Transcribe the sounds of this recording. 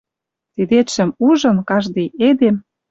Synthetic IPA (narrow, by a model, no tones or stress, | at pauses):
t̪id̪et̪ʃɘ̆muʒɤ̆nkɑʒd̪ejed̪em